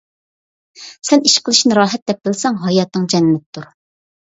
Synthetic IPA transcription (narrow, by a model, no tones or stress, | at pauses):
sɛniʃqʰəlˠɨʃnɨɾɑːɦɛt̪̚d̪ɛp̚bɪlsɛŋɦɑjɑt̪nɨŋd͡ʒɛnmɪt̪t̪ːuɾ